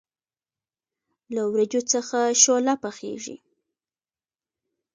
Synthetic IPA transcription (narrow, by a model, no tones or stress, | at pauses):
lawɾad͡ʒot͡səxaʃolapəxḛʒḭ